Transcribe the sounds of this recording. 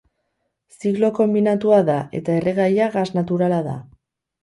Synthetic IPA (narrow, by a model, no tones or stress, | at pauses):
siɣlo̞ko̞mbinat̪uaðae̞̰t̪ae̞reɣajaɣaznat̪uɾalaða̰